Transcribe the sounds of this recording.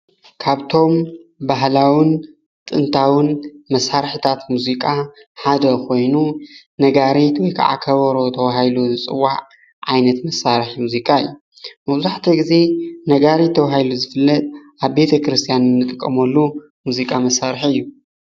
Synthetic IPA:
kʰaβt̪ʰo̞mbaɦlawɨn | t̪ʼɨnt̪ʰawɨnmɐsaɾħit̪ʰat̪muzikʼaħad̪ɐkʰo̞jnunɐɡaɾet̪wɔjkʰa̰ʕa̰kʰɐβɐɾo̞t̪ʰɐwɦajluzɨt͡sʼɨwːaʕ | ʕajnɐt̪mɐsːaɾħimuzikʼaɨ̰jːu | mɐβzaħt̪ʰɐɡize̞nɐɡaɾet̪ʰːɐwɦajluzɨfɨlːɐt̪ʼʔaβbe̞t̪ʰɐkʰɨɾɨst̪ʰijanɨnːɨt̪ʼɨkʼːɐmɐlːu | muzikʼamɐsːaɾħiɨjːu

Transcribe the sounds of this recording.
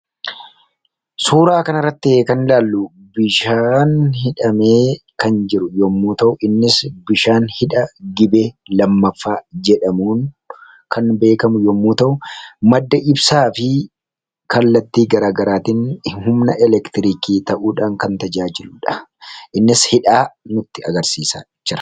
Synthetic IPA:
suːɾaːkɐnɐrːɐt̪ːɪeːkɐnlaːlːu | bɪʃaːnhɪᶑɐmeːkɐnd͡ʒɪɾʊjɔmːuːt̪ɐʔʊʔɪnːɪsbɪʃaːnhɪᶑɐɡɪbelɐmːɐfːaːd͡ʒɛᶑɐmuːn | kɐnbe̞ːkɐmʊjɔmːuːt̪ɐʔʊmɐd̪ːɐʔɪbsaːfɪ | kɐlːɐt̪ːiːɡɐɾaːɡɐɾaːt̪ɪnhʊmnɐʔɛlɛkt̪ɪɾiːkiːt̪ɐʔuːᶑaːŋkɐnt̪ɐd͡ʒaːd͡ʒɪlʊᶑɐ̥ʔɪnːɪshɪᶑaːnʊt̪ːɪɐ̰ɡɐɾsiːsa̰ːɪt͡ʃːɪɾɐ̥

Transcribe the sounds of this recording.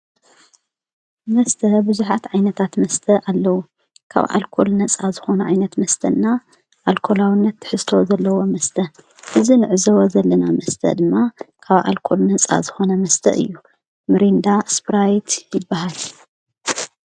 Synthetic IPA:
mɐst̪ʰɐbɨzuħat̪ʕajnɐt̪ʰat̪mɐst̪ʰɐʔalːɐwu | kʰa̰βʔa̰lkʰo̞lnɐt͡sʼazɨxo̞nɐʕajnɐt̪mɐst̪ʰɐnːa | ʔalkʰo̞lawinːɐt̪ːɨ̥ħɨzt̪ʰo̞zɐlːɐwo̞mɐst̪ʰɐ | ʔɨzinɨʕɨzɐwozɐlːɐnamɐst̪ʰɐ̰d̪ɨmːakʰaβʔa̰lkʰo̞lnɐt͡sʼa̰zɨxo̞nɐmɐst̪ʰɐ̰ʔɨ̰jːu | mɨɾind̪aspɾajt̪jɪbːahal

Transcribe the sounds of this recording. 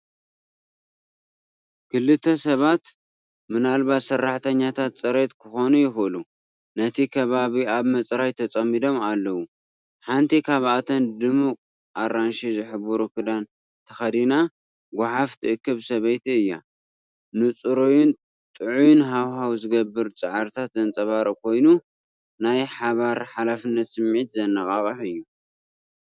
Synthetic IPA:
kʰɨlːɨt̪ʰːɐsɐβat̪ | mɨnalβat̪sɐrːaħt̪ʰɐɲːat̪ʰat̪t͡sʼɐɾet̪kʰɨxo̞nujɪxʔɨlu | nɐt̪ʰikʰɐβaβiaβmɐt͡sʼɾajt̪ʰɐt͡sʼɐmːid̪o̞malːɐwu | ħant̪ʰikʰaβat̪ʰɐnd̪ɨmukʼ | ʔaɾanʃizɨħɨbuɾukʰɨd̪an | t̪ʰɐxɐd̪ina | ɡʷʊħaft̪ʰɨɨkːɨβsɐβɐjt̪ʰiɨjːa̰ | nɨt͡sʼɨɾojun | t̪ʼɨʕujunɦawɦawzɨɡɐbːɨɾt͡sʼɨʕaɾt̪ʰat̪zɐnt͡sʼɐβaɾɐkʰo̞jnu | najħaβaɾħalafɨnːɐt̪sɨmʕit̪zɐnːɐkʼaχʼɐħɨjːu

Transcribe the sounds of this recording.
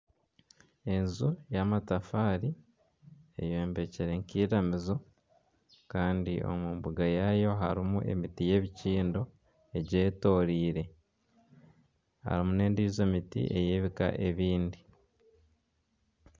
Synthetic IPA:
e̞nzujamatafaːɾi | e̞̰joːmbe̞ceɾe̞ŋkiːɾamizo̞ | kaːndio̞̰muːmbuɡajajo̞ɦa̰ɾimuʔe̞̰mitije̞βiciːndo̞ | e̞ɟe̞ːto̞ɾiːɾe̞ | ha̰ɾimune̞ːndize̞ːmitḭʔe̞jeːβika̰ʔe̞βiːndi

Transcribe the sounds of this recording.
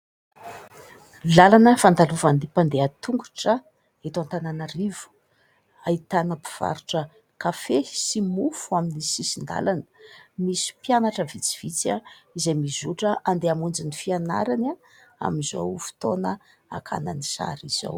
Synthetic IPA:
lalanəfand̪aluvanipand̪eat̪uŋɡu̥ʈ͡ʂə | et̪ant̪ananarivu̥ | ait̪anəpi̥v̥a̰ɾuʈ͡ʂə | kafesimufuaminisisind̪a̰lanə̥misi̥pjanaʈ͡ʂəvit͡si̥v̥it͡saizajmizuʈ͡ʂəʔand̪eamund͡zinifiana̰ɾana | a̰mizo̰wfi̥t̪onə | a̰kʰa̰nanisa̰ɾiz̥o̰w

